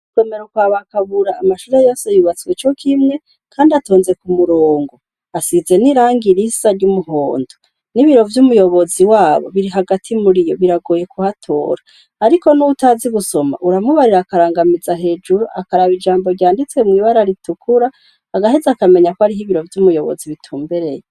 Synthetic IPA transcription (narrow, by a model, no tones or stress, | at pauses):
u̥emeɾukwaːβakaβuɾaːmaʃuːɾejoːsejuβat͡siwet͡ʃo̞kʰimŋe̞ | kʰaːndiato̞ːnze̞kumuɾoːŋɡo | asize̞niɾaːŋɡiɾisaɾɟumuɦo̰ːndo | niβiɾo̞vjumujo̞βo̞ziwaːβo̞̰βiɾiɦaɡatʰimuɾijo̞βiɾaɡoːje̞kʰuhatʰo̞̰ːɾaː | ɾiko̞nuutaziɡuso̞ma̰ʔuɾamuβaɾiɾaːkaɾaːŋɡamizaɦe̞ːd͡ʒuɾuʔakaɾaβid͡ʒaːmbo̞ɾɟaːndit͡swe̞mŋiːβaɾaɾitukʰuɾaː | ɡaɦezakame̞ɲakoaɾiɦiβiɾo̞vjumujo̞βo̰ziβitʰuːmbeɾe̞je